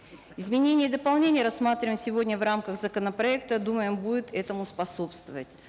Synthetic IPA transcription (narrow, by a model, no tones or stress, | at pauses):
ɪzmʲɪnʲenʲɪjəd̪əpɐlˠnʲenʲɪjəɾɐsːmat̪ɾʲɪvɪmsʲɪvodʲnʲəvramkəɣzəkənəpɾɐɛkt̪əd̪uməjɪmbudʲɪt̪ɛt̪əmʊspɐso̞pst̪vəvə̰tʲ